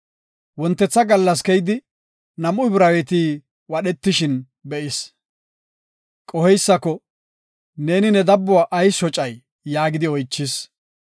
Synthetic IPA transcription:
wɔnt̪ːɛt͡sːɐɡɐlːɐs̬kɛjd̪ɪ | nɐmʊɪbɾaːwɛt̪iː | wɐɗɛt̪ːɪʃɪn | bɛʔɪs | kʼɔhɛjsːɐkɔ | ne̞ːnɪnɛd̪ɐbːʊwaʔɐjsɔt͡ʃʼɐjː | aːɡɪd̪ɪɔjt͡ʃːɪs

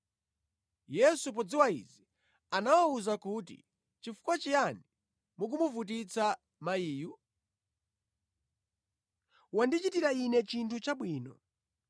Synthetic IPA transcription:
jɛsup̬ɔd͡ziwaḭzi | anawauzakuːtḭ | t͡ʃifu̥kwat͡ʃijani | muk̬umuvut̬it͡sa | maiːju | wandit͡ʃitiɾainɛt͡ʃintʰut͡ʃaɓwiːnɔ

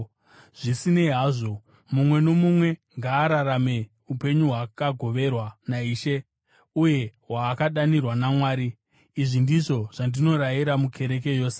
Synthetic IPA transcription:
ʐ̥isine̞ɦaːʐo̞ | mumwe̞no̞mumwe̞ŋɡaːɾaɾame̞ | upe̞ɲuɦwakaɡʱo̞ʋe̞rwanaiːʃe̞ | uje̞ɦwaːkaɗanirwanamwaːɾiː | ʐindiʐo̞ʐ̥andino̞ɾajiɾamukʰe̞ɾe̞k̬e̞jo̞ːse

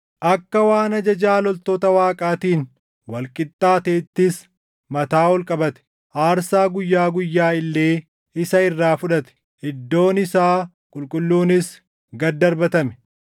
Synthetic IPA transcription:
ʔɐkːɐwaːnɐd͡ʒɐd͡ʒaːlɔlt̪oːt̪ɐwaːkʼaːt̪iːn | wɐlkʼɪt̪ʼːaːt̪eːt̪ːɪs | mɐt̪aːwɔlkʼɐbɐt̪ɛ̥ | ʔaːɾsaːɡʊjːaːɡʊjːaːɪlːe̞ː | ɪsɐɪrːaːfʊᶑɐt̪ɛ̥ | hɪd̪ːo̞ːnɪsaː | kʼʊlkʼʊlːuːnɪs | ɡɐd̪ːɐɾbɐt̪ɐmɛ̥

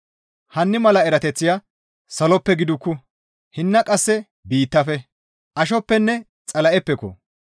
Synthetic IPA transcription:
hɐnːɪmɐlɐɛɾɐt̪ɛt͡sːɪja | sɐlɔpːɛɡɪd̪ʊkːʊ | hɪnːɐkʼɐsːɛ | biːt̪ːɐfɛ | ʔɐʃɔpːɛnːɛ | t͡sʼɐlɐʔɛpːɛkɔ̰

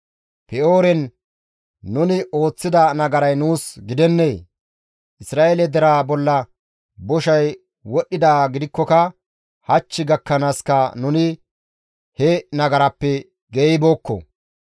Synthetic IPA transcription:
pɛoːɾɛnː | ʊnɪo̞ːt͡sːɪd̪ɐnɐɡɐɾɐjnuːsɡɪd̪ɛnːej | ʔɪsɾaːʔelɛd̪ɛɾaːbɔlːɐ | bɔʃɐj | wɔɗːɪd̪aːɡɪd̪ɪkːɔkɐ | hɐt͡ʃːɪɡɐkːɐnaːskɐnʊnɪ | hɛnɐɡɐɾɐpːɛ | ɡeːbo̞ːkːɔ̰

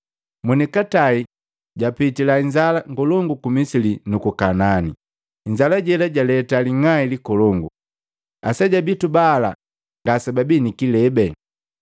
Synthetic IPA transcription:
munikatai | ɟapitilaiɲd͡ʒalaŋɡɔlɔŋɡukumisilinukukanani | ɲd͡ʒalaɟɛlaɟalɛtaliŋailikɔlɔŋɡu | asaɟabitubaːla̰ | ŋɡasababinikilɛbɛ

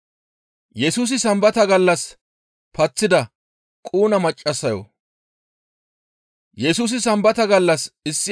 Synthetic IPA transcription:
jɛsuːs̬ɪsɐmbɐt̪ɐɡɐlːɐs | pɐt͡sːɪd̪ɐ | kʼuːnɐmɐt͡ʃʼːɐsːɐjo̰ | jɛsuːs̬ɪsɐmbɐt̪ɐɡɐlːɐsɪsːɪ

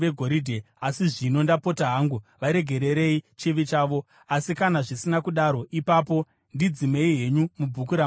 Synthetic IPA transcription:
ʋeɡʱoɾidʱe | asiʐino̞ndapo̞taɦaŋɡuʋaɾe̞ɡʱe̞ɾe̞ɾe̞it͡ʃiʋit͡ʃaːʋo̞ | asikanaʐisinakuɗaɾo̞ʔipapo̞ | ndid͡zime̞iɦe̞ɲumubʱukuɾa

